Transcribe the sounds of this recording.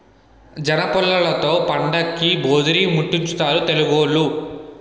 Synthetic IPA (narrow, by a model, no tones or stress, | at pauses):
d͡ʒɐnɐpɔlːɐlɐt̪o̞ːpɐɳɖɐkːiboːd̪uɾiːmuʈːiɲt͡ʃut̪aːɾut̪e̞luɡoːɭːu